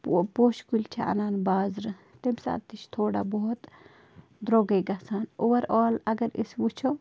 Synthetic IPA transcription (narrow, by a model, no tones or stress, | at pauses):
ppoːʃkulʲt͡ʃʰaɐ̰naːnbaːzɾɨt̪emsa̰ːt̪it͡ʃʰt̪ʰoːɽa̰boɦt̪ | d̪ɾoɡeɡɐsaːnoʋɐɾaːlɐɡɐɾḭsʋut͡ʃʰo